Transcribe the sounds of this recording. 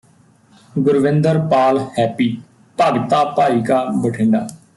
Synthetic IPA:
ɡʊɾʋɪ̃nd̪əɾpaːlhɛːpiː | pəɡt̪aːpaːiːkaːbəʈʰɪ̃ːɳɖa̰ː

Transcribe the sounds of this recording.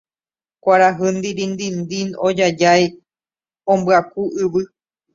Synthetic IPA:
kʷaɾaɦɨnd̪iɾĩnd̪ind̪ĩnod͡ʒad͡ʒaj | õmbɨakuɨʋɨ

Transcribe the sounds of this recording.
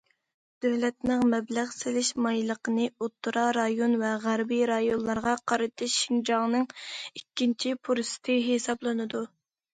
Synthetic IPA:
d̪̥øwlɛt̪nɨŋmɛblæʁsɪlɪʃmɑjlˠəqənɨot̪ʰːuɾɑɾɑjonvɛʁæɾbiɾɑjonlˠɑɾʁɑqʰɑɾɨt̪ʰɨʃʃiŋd͡ʒɑŋnɨŋikʲːint͡ʃʰipʰuɾɨst̪ʰɨɦesɑblˠɨnɨd̪u

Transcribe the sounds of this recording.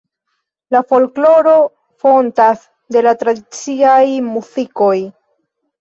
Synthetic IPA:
lafo̞lklo̞ɾo̞ | fo̞ntas | de̞latɾadit͡siajmusiko̞j

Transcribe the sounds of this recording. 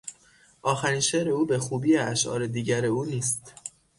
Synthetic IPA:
ʔɒːxæɾiːnʃeːɾe̞uːbe̞xuːbiːeæʃʔɒ̰ːɾe̞d̪iːɟæɾe̞uːniːst̪

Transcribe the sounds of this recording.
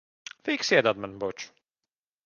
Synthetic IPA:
fiːksiɛd̪ad̪manbɔt͡ʃu̥

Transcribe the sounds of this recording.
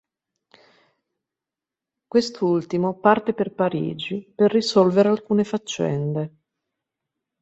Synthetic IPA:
kwest̪ult̪imopart̪eperpaɾḭːd͡ʒiperːisɔlveɾealkuːnefat͡ʃːɛ̰nd̪e

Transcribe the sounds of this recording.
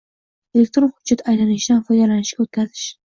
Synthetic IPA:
e̞lek̚t̪ɾonhʊd͡ʒːat̪ʰajlanɪʃd̪anfɒjd̪alanɪʃɡʲaot̪̚kʲʰazɪʃ

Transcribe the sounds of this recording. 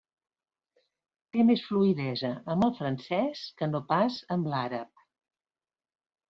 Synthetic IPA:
t̪emesfluiðɛzəəmbəlˠfɾənsɛskənopazəmlaɾəp̚

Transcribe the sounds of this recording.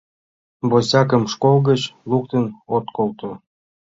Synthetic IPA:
bosʲɑk̬əmʃkolˠɣət͡ɕluk̚t̪ənot̪kolt̪o

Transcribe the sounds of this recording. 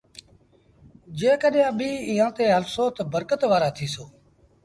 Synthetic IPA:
d͡ʒeːkəɗjãːɓiːiːɦãːt̪eːɦəlsoːt̪bəɾkət̪ʋaːɾaːt̪ʰiːsoː

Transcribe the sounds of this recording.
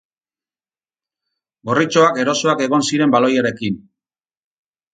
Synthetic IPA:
ɡo̞rit͡ʃo̞ake̞ɾo̞soake̞ɣ̞o̞nsiɾe̞mbalo̞jaɾe̞kin

